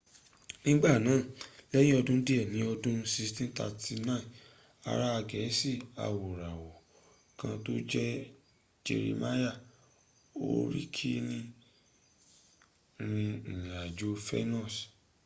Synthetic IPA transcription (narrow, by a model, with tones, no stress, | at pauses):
nĩ˦ɡ͡ba˦˨nãː˨˦˨lɛ˦jĩ˦ɔ˧dũ˦di˦ɛ˦˨nĩ˨˦ɔ˧dũ˦si˧stĩ˦ta̰˧tʰi˧nã˦ĩ˨ | a̰˨ɾa˦a˧ɡɛ˨˦si˦˨a̰˨wo˨ɾa˨wɔ˨ | kã˧to˦d͡ʒɛ˦ | d͡ʒḛ˧ɾḭ˧ma˦ja˦˨ | o̰˦ɾḭ˦kʰi˦nĩ˦ | ɾĩ˧˨a˨d͡ʒo˦fɛ̰˦nɔ̃˦˨s